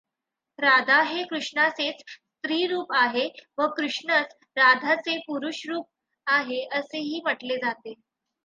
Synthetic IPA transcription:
ɾad̪ʱaɦekɾuʂɳaset͡sst̪ɾiːɾuːpaɦeʋəkɾuʂɳət͡s | ɾad̪ʱat͡sepuɾuɕɾuːp̚ | aɦeəseɦiːməʈled͡zat̪e

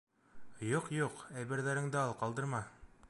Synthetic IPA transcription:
juqjuqæjbɘ̆ɾðæɾɘ̆ŋd̪ɘɑlˠqɑlˠd̪ɤ̆ɾmɑ

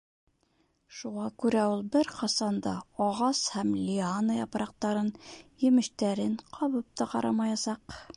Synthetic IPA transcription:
ʃuʁɑkʉɾæulˠbɘɾqɑsɑnd̪ɑɒʁɑshæmlʲɪanɤjɑpɾɑq̚t̪ɑɾɤnjɘ̆mɘ̆ʃt̪æɾɘɴqʰɑβɤp̚t̪ɑqɑ̰ɾɑmɑjɑsɑq

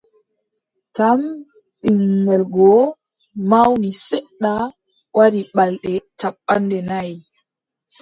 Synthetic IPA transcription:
tam | ɓiŋːɛlɡɔ | mawnisɛɗːa | wʔaɾiɓalɗɛtaɓːandɛnaj

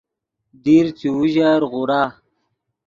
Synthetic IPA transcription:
d̪iɾt͡siuʑaɾɣuɾaː

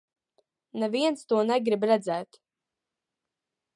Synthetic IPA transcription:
neviɛnst̪uɔnɛɡɾibɾɛd̪zɛːt̪

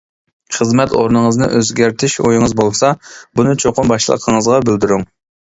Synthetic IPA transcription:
χəzmɛt̪oɾnɨŋəznɨ̰ʔøzɡʲæɾt̪ʰɪʃojɪŋɨzbolˠsɑbunɨt͡ʃʰoqʊmbɑʃlˠə̰qʰəŋəzʁɑbɪld̪yɾyŋ

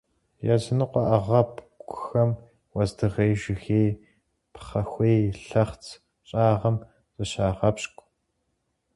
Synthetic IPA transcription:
jɐzɨnɨqʷɔʔaʁɐpkʷʊxɐm | wɐzdɨʁeːʒɪxeːj | pχɐxʷejɬɐχt͡sʰ | ɕʼaːʁɐm | zʼɨɕaːʁɐpɕkʷʼ

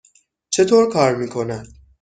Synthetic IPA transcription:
t͡ʃʰe̞t̪ʰoːɾkʰɒːɾmiːkʰo̞næd̪̥

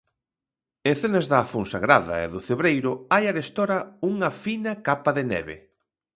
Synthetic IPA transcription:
eŋθenɐzðafonsaɣɾaðɐ̰ḛðʊθeβɾejɾʊajaɾest̪oɾɐuŋɐfinɐkapaðɪnɛ̰βḛ

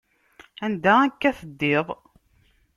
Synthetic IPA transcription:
ænd̪æækːæθəd̪ːɪðˤ

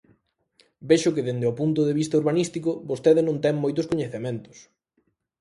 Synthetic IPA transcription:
beʃʊkɪðend̪eopunt̪̬ʊðeβist̪ɐuɾβanist̪ikʊbost̪eðɪnõnt̪ɛŋmojt̪ʊskoɲeθemẽnt̪ʊ̥s

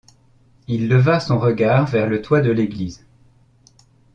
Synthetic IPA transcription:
ilːəvasɔ̃ʁəɡaʁvɛʁlət̪wad̪əleɡliz

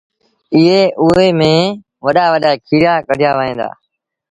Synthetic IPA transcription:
ɪɦeːʔʊɦeːmẽː | ʋəɗaːʋəɗaːkʰiːɾaːkəɽ̤ʱɪjaːʋəːĩːd̪a̰ː

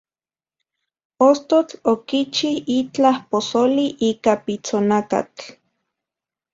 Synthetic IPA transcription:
ost̪ot͡ɬokit͡ʃihit͡ɬahposoliʔiːkapit͡sonaka̰t͡ɬ

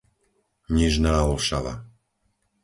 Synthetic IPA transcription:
ɲiʒnaːɔlʃaʋa̰

